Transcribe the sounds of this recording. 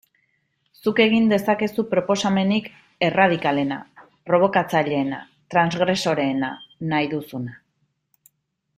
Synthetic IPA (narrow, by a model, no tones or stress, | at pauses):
suke̞ɣ̞ind̪e̞sake̞supɾo̞po̞same̞nik | e̞rað̞ikale̞na̰ | pɾo̞β̞o̞kat͡saʎe̞ːna̰ | t̪ɾanzɣɾe̞so̞ɾe̞ːnanajðusuna